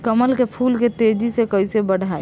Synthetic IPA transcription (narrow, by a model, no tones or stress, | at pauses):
kəməlkepʰulket̪ed͡ʒisekəjsebəɽʱae